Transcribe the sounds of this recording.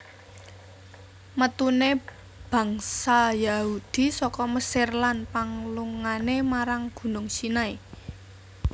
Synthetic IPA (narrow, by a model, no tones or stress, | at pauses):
mət̪une | b̥ä̤ŋsajahud̪̥i̤sɔkɔməserlanpaŋluŋanemaɾaŋɡ̥ṳnʊŋsinae